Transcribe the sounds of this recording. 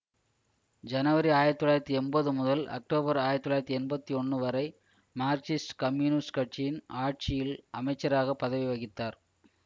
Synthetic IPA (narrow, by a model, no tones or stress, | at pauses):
d͡ʒɐnɐʋɐɾiaːjɪɾɐt̪ːɔlːaːɪɾɐt̪ːiɛnbɐðɯmʊðɐlɐ̰k̚ʈoːbɐɾaːjɪɾɐt̪ːɔlːaːjɾɐt̪ːiɛnbɐt̪ːiɔɳːɯʋɐɾɐɪ | maːɾt͡ʃɪsʈkɐmjunɪskɐʈ̚t͡ʃijɪnaːʈ̚t͡ʃɪjɪlʔɐmɐɪt͡ʃːɐɾaːɣɐpːɐðɐʋiʋɐɣɪt̪ːaːɾ